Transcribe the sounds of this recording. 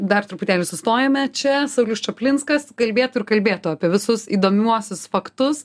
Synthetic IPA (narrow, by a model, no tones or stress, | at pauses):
d̪ɐrt̪ɾʊpʊt̪ʲæːlʲɪsʊst̪oːjɛmʲɛt͡ʃʲɛsɐʊlʲʊst͡ʃɐpʲlʲɪnskɐskɐlʲbʲeːt̪ʊːɪɾkɐlʲbʲeːt̪ʊɐːpʲiɛʋʲɪsʊsiːd̪oːmʲuɔsʲʊsfɐkt̪ʊs